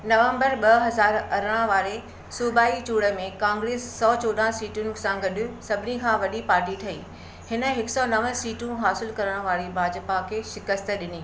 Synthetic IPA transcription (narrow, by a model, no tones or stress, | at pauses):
nɐʋə̃mbəɾɓɐɦɐzaːɾɐɾəɽ̃ãʋaːɾe | suːbaːit͡ɕuːɽə̆mẽkãːŋɡɾeːsːɔːt͡ɕoːɗãːsiːʈʊnɪ̆sãɡɐɗʊ̆sɐbʱɪnikʰãːʋɐɗipaːɾʈiʈʰɐḭː | hɪnə̆ɦɪksɔnɐʋəsiːʈũɦaːsɪlkɐɾəɽ̃ʋaːɾibʱaːd͡ʑpakʰeːʃɪkəst̪əɗɪniː